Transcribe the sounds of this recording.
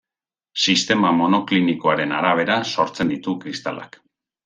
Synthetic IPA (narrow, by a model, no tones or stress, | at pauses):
sist̪e̞mamo̞no̞kliniko̞aɾe̞naɾaβ̞e̞ɾaso̞ɾt͡se̞nd̪it̪ukɾist̪a̰la̰k